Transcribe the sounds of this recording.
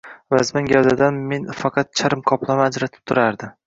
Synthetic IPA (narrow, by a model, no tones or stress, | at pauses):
vazmaŋɡʲald̪ad̪anme̞nfɑqʰɑt̪̚t͡ʃʰaɾɪmkʰɒplˠamːd͡ʒɾat̪ʰɪ̥p̚t̪ʰʊɾaɾd̪ɪ